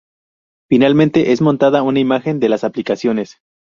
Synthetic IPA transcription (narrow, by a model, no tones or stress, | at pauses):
finalmẽnt̪e̞ʔezmõ̞nt̪aðaunaimaxe̞nd̪e̞lasaplikasjo̞ne̞s